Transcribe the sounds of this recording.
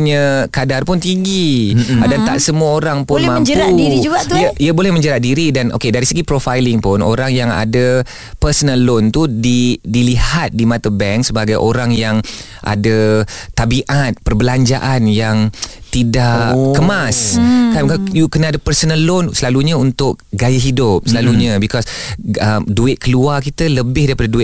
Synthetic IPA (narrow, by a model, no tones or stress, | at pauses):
ɲəkadarpʊnt̪iŋɡiadant̪a̰ʔsəmuaoɾaŋpʊnmãmd͡ʒɾauiɾid͡ʒuɡaiəiəbolɛhmə̃ɲd͡ʒəɾat̪̚diɾidanʔo̰kedaɾisəɡipɾofajlɪŋpʊno̰ɾaŋjaŋa̰da | pərsənəlont̪udidilihat̪̚dimãt̪əbɛŋksəbaɡajʔoɾaŋjaŋ | ʔa̰dət̪ːabiʔat̪̚pərbəlaɲd͡ʒaʔanjaŋt̪idaʔkəmaskakajukənəadapərsənəlʊnsəlaluɲəunt̪ʊk̚ɡajaɦidʊp̚səlaluɲəbikɔsəmduɪt̪̚kəluarkit̪ələbɪhdaɾipadaduɪt̪̚